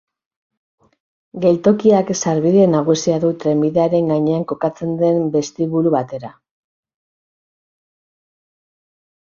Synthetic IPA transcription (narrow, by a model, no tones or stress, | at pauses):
ɡe̞lt̪o̞kiaksaɾβiðe̞naɣ̞usiaðut̪ɾe̞miðe̞aɾe̞ŋɡaɲe̞aŋko̞kat͡se̞nd̪e̞mbe̞st̪iβuɾuβat̪e̞ɾa